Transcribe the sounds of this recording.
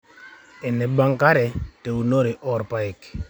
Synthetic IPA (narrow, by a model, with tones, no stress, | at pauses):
ɪ˨nɛ˨ba˦ŋka˦ɾɛ˨te˨u˨no˦ɾɪ˨ʔɔ˨ɾpa˨ɪ˨k